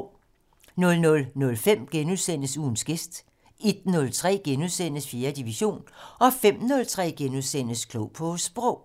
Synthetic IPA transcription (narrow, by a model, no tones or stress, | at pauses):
nɔ̽lnɔ̽lnɔ̽lfem̰ɡ̥enuðˠsen̰əsuːn̩sɡ̥e̝sd̥ | e̝d̥nɔ̽lt͡sʰʁɛ̰ːɡ̥enuðˠsen̰əsfje̝ːɐd̥iʋiɕo̝̰ːnɒ̽fem̰nɔ̽lt͡sʰʁɛ̰ːɡ̥enuðˠsen̰əskʰlɔʊpʰɔ̽sb̥ʁɔ̽ʊ̰